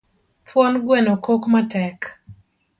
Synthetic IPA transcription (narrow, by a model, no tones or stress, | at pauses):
pwɔnɡwɛnokokmatɛk